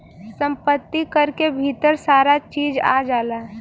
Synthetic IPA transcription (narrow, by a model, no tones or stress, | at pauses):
sə̃mpət̪ːikəɾkebʱit̪əɾsaːɾat͡ʃiːd͡ʒa̰d͡ʒaːlaː